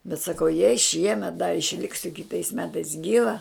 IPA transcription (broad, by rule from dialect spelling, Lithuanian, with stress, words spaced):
bʲɛt sɐˈkɐʊ jɛɪ ˈʃʲiɛmʲɛt dɐr ɪʃʲˈlʲɪksʲʊ kʲɪˈtɐɪs ˈmʲæːtɐɪs ˈɡʲiːʋɐ